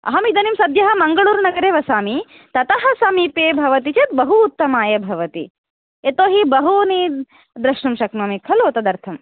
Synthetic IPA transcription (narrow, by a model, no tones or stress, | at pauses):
ɐ̰ɦɐmid̪ɐnimsɐd̪jɐɦɐmɐŋɡɐɭuːɾnɐɡɐɾeːʋɐsaːmi | t̪ɐt̪ɐɦɐ̆sɐmiːpeːbʱɐʋɐt̪it͡ʃet̪bɐɦuːt̪ːɐmaːjɐbʱɐʋɐt̪ḭ | et̪oːɦibɐɦuni | d̪ɾɐʃɳumʃɐkmɐmikʰɐloːt̪ɐd̪ɐɾt̪ʰɐm